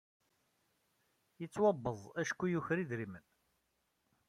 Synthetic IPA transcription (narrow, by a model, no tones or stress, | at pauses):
jət͡sːwɑbːəðˤæʃkːujuçɾiðɾimən